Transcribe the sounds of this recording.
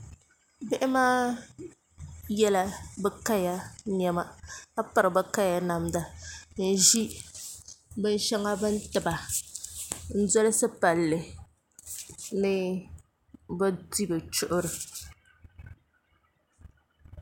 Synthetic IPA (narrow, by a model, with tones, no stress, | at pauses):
bɛ˦ʔɪ˦maː˦ | jɛ˦la˦bɛ˦ka˦ja˦ɲɛ˦ma˦ka˦pa˨ɾɨ˨bɨ˦ka˦ja˨na˨mda˨n̩˨ʒi˦ | bɨ˦n˦ʃɛ˦ŋa˦bɨ˦n˦tɨ˨ba˨ | n̩˦dɔ˦lɨ˦sɨ˦pa˨lːɨ˨ | nɨ˦ | bɛ˦di˦bɨ˨t͡ʃʊ˦ʔʊ˦ɾɨ˨